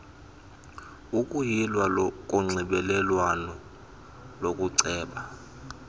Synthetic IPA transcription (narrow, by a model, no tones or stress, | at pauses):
ukʼujilwalɔk̬ʼuŋ͡ǀʱiɓɛlɛlwanɔ | lokʼuǀɛːɓa